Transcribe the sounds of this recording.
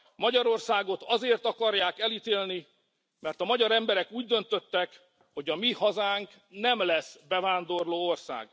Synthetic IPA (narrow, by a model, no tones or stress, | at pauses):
mɒɟɒɾo̞rsaːɡo̞t̪ɒzeːrt̪ɒkɒrjaːkɛlit̪eːlni | mɛrt̪ɒmɒɟɒɾɛmbɛɾɛkuːɟd̪ø̞nt̪ø̞t̪ːɛk | ho̞ɟɒmihɒzaːŋk | nɛmlɛsbɛvaːnd̪o̞rloːo̞rsa̰ːɡ